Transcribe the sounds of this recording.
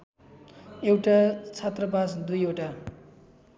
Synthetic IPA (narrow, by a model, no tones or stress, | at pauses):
ewʈat͡sʰat̪rʌbasd̪ujewʈa